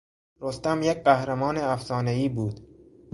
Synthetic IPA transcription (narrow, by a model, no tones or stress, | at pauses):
ɾost̪æmjek̚ɢæhɾæmɒːneæfsɒːneiːbuːd̪̥